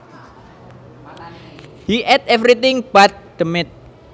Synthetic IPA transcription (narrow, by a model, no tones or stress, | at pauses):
hiʔɛt̪̚ɛvɾit̪ɪŋb̥at̪̚d̪̥əmɪt̪̚